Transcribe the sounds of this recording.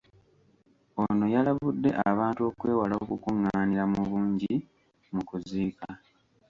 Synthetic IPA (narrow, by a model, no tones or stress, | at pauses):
ono̞jalaβudːe̞ʔaβaːntuo̞kwe̞ːwalokukuŋːaːniɾamuβuːɲɟi | mukuziːka